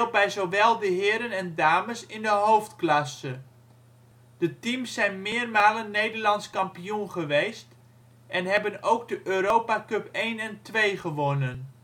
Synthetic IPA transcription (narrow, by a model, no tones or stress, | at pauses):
lˠbɛjzowʋɛlˠdəɦɪːɾənɛndaːməsɪndəɦowftklɑsə | d̥ətimsːɛjnmɪːrmaːlənːejdərlɑntskɑmpijunχəʋejst | ʔɛnɦɛbənowɡ̚dəʔøːɾowpakøpejnɛntʋejχəʋɔnən